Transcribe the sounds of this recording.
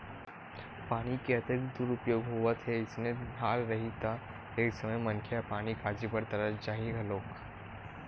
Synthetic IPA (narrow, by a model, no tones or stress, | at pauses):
paːñikeɐt̪əkd̪ʊɾʊpjoːɡɦoʋət̪ʰɦeɪsnebʱaːlɾɐɦit̪a | eːksɐməjmɐ̃ŋkʰijapaːñikʰaːd͡ʒipəɾt̪ɐɾəd͡ʒaːɦiɡʱɐloːk